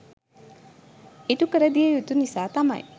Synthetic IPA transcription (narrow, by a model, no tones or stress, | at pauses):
iʈukəɾəd̪ijejut̪unisaːt̪ɐmɐ̰j